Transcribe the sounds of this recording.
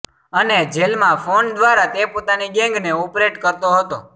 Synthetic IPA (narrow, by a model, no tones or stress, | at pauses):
əned͡ʒelmãfʰond̪ʋaɾat̪epot̪aniɡɛ̃ŋɡneopɾeʈkəɾt̪oɦət̪o